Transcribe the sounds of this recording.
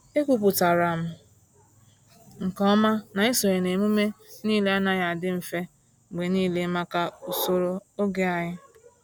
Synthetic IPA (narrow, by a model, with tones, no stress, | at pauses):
e˦kʷu˨pʊ˨ta˨ɾa˨m̩˦ | ŋ̩˨kɔ˦ma˦na˨ɪ˦so˨ɾe˨ne˨mu˦me˦niː˦le˦a˦na˦ja˨dɪ˦m̩˨fe˦˨ | ɡ͡be˨niː˦le˦ma˦ka˦o˨so˦ɾo˦o˦ɡe˦a˨ɲɪ˦